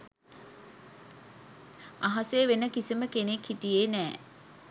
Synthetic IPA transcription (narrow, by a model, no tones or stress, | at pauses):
ɐɦɐseːʋenəkisiməkenekʰːiʈijeːnɛː